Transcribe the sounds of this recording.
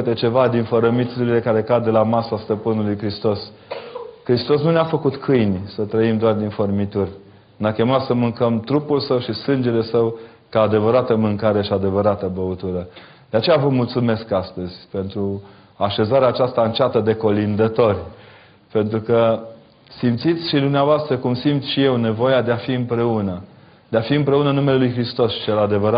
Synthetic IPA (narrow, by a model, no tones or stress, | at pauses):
ɨt̪et͡ʃe̞vad̪infəɾəmit̪suɾile̞kaɾe̞kad̪d̪e̞lamasast̪əpɨnulujkɾist̪o̞s | kɾist̪o̞snuneafəkut̪kʰɨjnʲsət̪ɾəimd̪oard̪informit̪urʲ | neakʲe̞mat̪səmɨŋkəmt̪ɾupulsəwʃisɨnd͡ʒe̞le̞səw | kaːd̪e̞vəɾat̪əmɨŋkaɾe̞ʃiad̪e̞vəɾat̪əbəut̪uɾə | d̪̥eat͡ʃe̞javəmult̪sume̞skast̪əzʲpe̞nt̪ɾu | aʃe̞zaɾeaːt͡ʃast̪aɨnt͡ʃat̪əd̪e̞ko̞lind̪ət̪o̞rʲ | pe̞nt̪ɾukə | simt̪sit̪sʲʃid̪umneavoast̪ɾəkumsimt̪sʃije̞wne̞vo̞jad̪eafiɨmpɾe̞unə | d̪̥eafiɨmpɾe̞unənume̞le̞lujxɾist̪o̞st͡ʃe̞lad̪e̞vəɾa